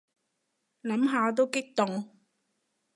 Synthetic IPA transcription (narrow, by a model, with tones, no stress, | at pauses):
lɐ˨˥mɦaː˨˧t̪̬o˥wkɪ˥k̚t̪ʊ˨ŋ